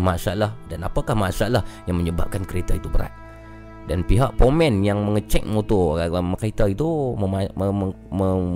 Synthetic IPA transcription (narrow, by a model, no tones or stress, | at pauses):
masaalahdanapakahmasaalahjaŋməɲəba̰p̚kankəɾet̪ait̪ubəɾa̰t̪̚ | danpiɦaʔpomɛ̃njaŋməŋət͡ʃɛk̚mot̪ɔməkait̪ait̪uməaəə | mə